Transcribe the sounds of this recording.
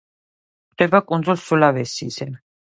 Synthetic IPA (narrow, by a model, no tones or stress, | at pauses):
χd̪ɛbakʼund̪zulsulavɛsizɛn